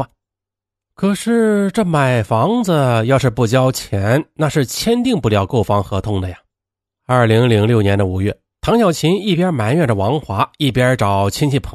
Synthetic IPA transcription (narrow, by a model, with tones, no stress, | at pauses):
kʰɤ˨˩ʂɻ̩˥˧ʈ͡ʂɤ˥˩ma˨˩ɪfɑ˧˥ŋd͡zə˧jɑ˥˧ʊʂɻ̩˥˧pu˥˩t͡ɕjɑ˥ʊt͡ɕʰjɛ˧˥nna˥˧ʂɻ̩˥˩t͡ɕʰjɛ˥nt̪i˥˧ŋpu˥˩ljɑ˧˥ʊko˥˩ʊfɑ˥ŋxɤ˧˥t̪ʰʊ˥˩ŋd̪ə˨ja˨˩ | ɐ˞˥˩li˧˥ŋli˧˥ŋljo˥˩ʊnjɛ˧˥nd̪ə˧u˨˧˩ɥɛ˥˩ | t̪ʰɑ˧˥ŋɕjɑ˨˩ʊt͡ɕʰi˧˥ni˥˩pjɛ˥ma˨˩˥nɥɛ˥˩nʈ͡ʂə˩wɑ˧˥ŋxwa˧˥i˥˩pjɛ˥ʈ͡ʂɑ˨˩ʊt͡ɕʰi˥ŋt͡ɕʰi˥˩pʰɤ˧˥